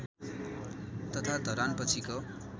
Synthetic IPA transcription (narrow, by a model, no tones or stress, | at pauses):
t̪ʌt̪ʰad̪ʱʌɾanpʌt͡sʰiko